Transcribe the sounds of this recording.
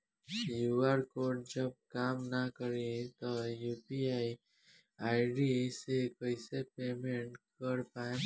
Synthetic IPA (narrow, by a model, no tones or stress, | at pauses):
juaɾkoːɖd͡ʒəb̚kaːmnakəɾit̪ojuːpiaːi | aːɪɖisekəɪsepeːmẽɳʈkəɾpaːẽ